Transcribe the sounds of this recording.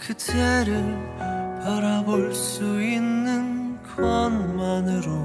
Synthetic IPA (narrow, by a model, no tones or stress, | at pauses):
kɯtʰeɾɯɭpaɾaboɭs͈uinːɯnkʰʌnmanɯɾo